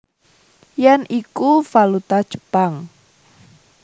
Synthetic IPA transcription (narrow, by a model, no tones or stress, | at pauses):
jɛnʔikufalut̪ḁʒ̥ə̥paŋ